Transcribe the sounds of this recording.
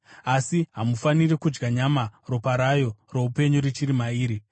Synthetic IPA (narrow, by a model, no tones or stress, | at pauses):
asiɦamufanirikud͡ʒɡaɲamaro̞paɾajo̞ro̞upe̞ɲuɾit͡ʃirimaiːɾi